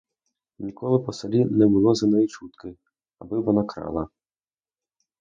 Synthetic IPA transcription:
nʲikɔlˠɪpɔsɐlʲinɛbʊlˠɔzɐnɔjit͡ʃut̪kɪ | ɐbɪʋɔnɑkɾɑ̰lˠɐ

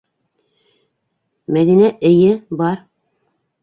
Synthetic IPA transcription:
mæðinæʔɘ̆jɘbɑɾ

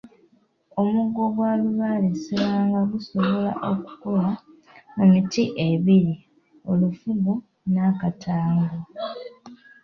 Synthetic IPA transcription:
o̞muɡːo̞ɡwaːluβalesilaːŋɡaɡuso̞βo̞la̰ʔo̞ku̥ko̞la | mumitiʔe̞βiɾi | o̞lufuɡu | nakatʰaːŋɡo

